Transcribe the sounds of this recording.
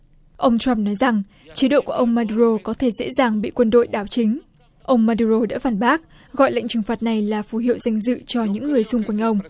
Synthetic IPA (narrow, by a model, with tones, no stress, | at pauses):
ʔə˧wŋ͡mt͡ɕa˧mnɔ˨˦jza˨˩ŋ | t͡ɕi˨˦ɗo̰˧˨ku˧˩əʔə˧wŋ͡mmaː˧ɗu˧ɾo˧kɔ˨˦t̪ʰe˧˩zḛ˧˥zaː˨˩ŋɓḭ˧˨kwə˧nɗo̰˧˨jɗaː˧˩wt͡ɕï˨˦ŋ̟ | ʔə˧wŋ͡mmaː˧ɗu˧zo˧ɗa̰ː˧˥faː˨˩nɓaː˦˥k̚ | ɣɔ̰˧˨jla̰˧˨ŋ̟t͡ɕɨ˨˩ŋfaː˨˩t̚na˨˩jlaː˨˩fu˨˦ɦḭ˧˨əwza˧jŋ̟zɨ̰˧˨t͡ɕɔ˧ɲɨ̰˧˥ŋːɨ˨˩əjsʊ˧ŋ͡mkwa˧jŋ̟ʔə˧wŋ͡m